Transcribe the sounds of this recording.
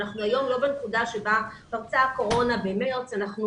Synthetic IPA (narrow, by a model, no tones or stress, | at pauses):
naχnuajo̞mlo̞benekudaʃe̞bapaʁt͡sako̞ʁo̞nabemeʁt͡sanaχnu